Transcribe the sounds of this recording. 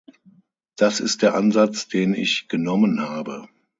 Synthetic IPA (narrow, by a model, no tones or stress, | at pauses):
d̥asɪst̚d̥eːɐʔanzat͡sd̥eːnɪ̰çɡ̥ənɔmənhaːbə